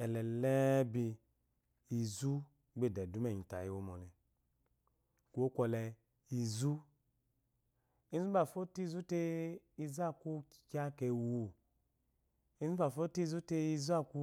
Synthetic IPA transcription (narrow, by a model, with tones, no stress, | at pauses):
ɛ˨lɛ˨lɛ˦bi˧ | i˨˧˨zu˦ | ɡ͡be˦˨dɛ˨du˨˦mɛ˦˨ɲi˨ta̰˨ji˨wo˧˦mɔ˨lɛ˨ | ku˧˦o˦kʷɔ˧lɛ˧ | i˧zu˦ | i˦zu˦ba˨fo˦ti˦˧zu˦te˧i˧za˦˨ku˧˨ka˧˦kɛ˧wu˧˨ | i˦zu˦ba˨fo˦ti˦i˧zu˦te˧i˧zu˦a˦˧ku˧